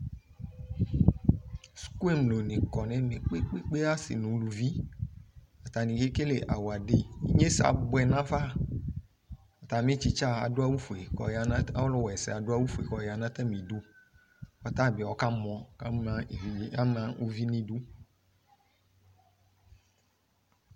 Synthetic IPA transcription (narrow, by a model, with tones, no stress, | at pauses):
sku˦e˦mlo˨nĩ˨kɔ˨nɛ̃˨mẽ˨k͡pe˦k͡pe˦k͡pe˦a˦sḭ˨nũ˨˦lu˨vi˦ | a˨t̪a˨nĩ˨ke˦ke˦le˨ʔa̰˨wo˨a˨ɖe˦ḭ˦ɲẽ˦sa̰˨bɔ˦˨ɛ˨nã˦fa˦ | a˨t̪a˨m˦e˦t͡ʃi˦t͡ʃa˦a̰˨do˦a˦wu˦fo˨e˨kɔ̰˨ja˨nã˦a˦lɔ˦wɛ˨sɛ̰˨a˨do˦a˦wu˦fu˨e˨kɔ˨ja˨nã˦t̪ɛ˦mĩ˨du˦ | fa˦t̪a˦˨bi˨ɔ˦ka˦mɔ̃˨ka˦mã˨˦˨a˦mã˦u˦vi˦nĩ˦du˦